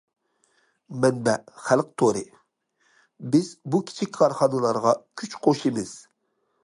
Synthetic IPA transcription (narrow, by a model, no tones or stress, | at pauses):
mɛnbɛχælˠq̚t̪ʰoɾɨ̰ | bɪzbukʲʰi̥t͡ʃʰikʲkʰɑɾχɑnɨlˠɑɾʁɑkʲʰyt͡ʃqʰoʃimɪz̥